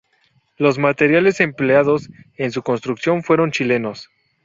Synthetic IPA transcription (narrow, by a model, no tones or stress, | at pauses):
lo̞zmat̪e̞ɾjale̞se̞mpleaðo̞se̞ns̬uko̞nst̪ɾuksjo̞nfwe̞ɾo̞nt͡ʃile̞no̞s